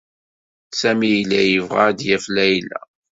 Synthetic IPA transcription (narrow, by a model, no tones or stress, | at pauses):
sæmijlæjəvʁad̪jæflæjlæ̰